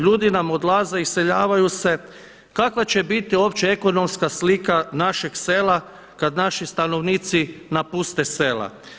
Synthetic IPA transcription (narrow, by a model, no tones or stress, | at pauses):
ʎuːd̪inamo̞d̪laːze̞ise̞ʎaːʋajuse̞ | kakʋat͡ɕe̞bit̪io̞ːpt͡ɕee̞ko̞no̞mskaslikanaʃeɡse̞la | kad̪naʃist̪ano̞ʋniːt̪sinapust̪e̞se̞ːla̰